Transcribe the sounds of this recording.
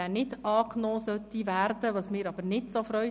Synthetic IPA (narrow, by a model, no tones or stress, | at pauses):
ænɪdɑːknoːsœt̪ːiʋæːɾdəʋɑsmɪːɾɑb̥əɾnɪtsofɾœʏ